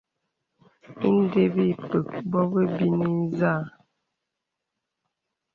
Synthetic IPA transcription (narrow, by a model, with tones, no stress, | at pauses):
i˦n̩˦de˦bi˦˨pə˨k̚bɔ˦bə˦bi˦ni˦zaː˦˨